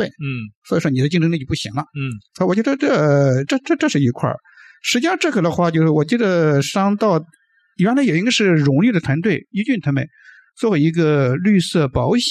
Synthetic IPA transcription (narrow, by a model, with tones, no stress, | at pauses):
e˥˩ɪswɔ˧˥i˨˩ʂwɔ˥ni˨˩d̪ə˦t͡ɕi˥˧ŋʈ͡ʂʰŋli˥˩t͡ɕpu˥˩ɕi˧˥ŋlɐ˧˥˩swɔ˧˥˧t͡ɕɥɛ˧˥ə˧ʈ͡ʂɤ˥˩ʈ͡ʂɤ˥˧ʈ͡ʂʈ͡ʂɤ˥˧ʂɻ̩˥˩i˧˥kʰwa̰˥˩ | ʂɻ̩˧˥t͡ɕi˥˧ʂɑ˥˧ŋʈ͡ʂɤ˥˩ɡə˩d̪ə˧xwa˥˩t͡ɕjo˥˧ʊʂɻɔ˥˩wɔ˨˩t͡ɕi˥˩d̪ə˩ʂɑ˥ŋt̪ɑ˥˩ʊ | i˨˩˥la˧˥jo˨˩ʊi˧˥ɡʂɻ̩˥˩ɻʊ˧˥ŋly˥˩d̪ə˩t̪ʰwa˧˥nt̪̬we˥˩ɪy˥t͡ɕy˥˩nt̪ʰa˥mə̰˧˨˩n | t͡swɔ˥˧˩we˧˥i˧˥ɡə˧ly˥˧sɤ˥˩pɑ˧˥ʊɕ